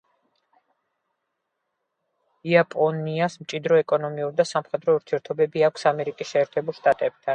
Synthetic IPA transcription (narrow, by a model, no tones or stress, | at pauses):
iapʼɔniasmt͡ʃʼid̪ɾɔɛkʼɔnɔmiuɾd̪asamχɛd̪ɾɔuɾt̪ʰiɛɾt̪ʰɔbɛbiakʷʰsamɛɾikʼisʃɛːɾt̪ʰɛbulˠʃt̪ʼat̪ʼɛb̚t̪ʰan